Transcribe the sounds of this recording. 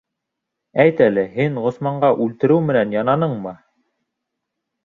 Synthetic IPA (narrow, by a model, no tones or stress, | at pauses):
æjt̪ælɘɦiɴʁŏsmɑɴɢɑʔʉlt̪ɘ̆ɾɘwmɘ̆nænjɑnɑnɤɴmɤ